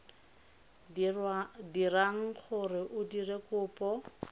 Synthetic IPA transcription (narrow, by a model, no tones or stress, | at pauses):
diraŋ̩χʊrɪʔʊdirekʊːpɔ